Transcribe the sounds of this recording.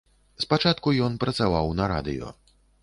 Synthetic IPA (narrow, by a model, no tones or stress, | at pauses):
spat͡ʂat̪kujɔnpɾɐt̪savawnɐɾa̰d̪ɨ̰jɔ̰